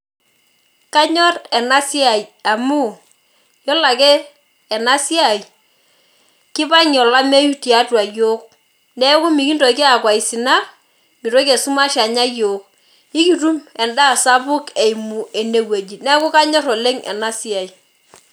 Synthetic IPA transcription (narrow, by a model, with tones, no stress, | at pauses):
ka˦ɲɔ˦rɛ˨na˦si˦a˨ja˨mu˦˨ | jɔ˦la˨kɛ˦ | ɛ˨na˦si˦a˨j | kɪ˦pa˦ɲɔ˨la˦me˦ju˦ti˨a˦twa˨jo˦k̚ | nɛ˦ku˦mi˨ki˦ndɔ˨˦ke˦a˨kwa˨i˨si˨na˦ | mi˨to˦kɛ˨su˦ma˦ʃa˨ɲa˦joː˨k̚ | i˦ki˨tu˦mɛ˨nda˦˨sa˦bʊ˦kɛ˨i˨mu˨ɛ˨ne˨we˨d͡ʒi˨nɛ˦kʊ˦ka˦ɲɔ˦ɾɔ˨le˦ŋɛ̰˨na˦si˦a˨j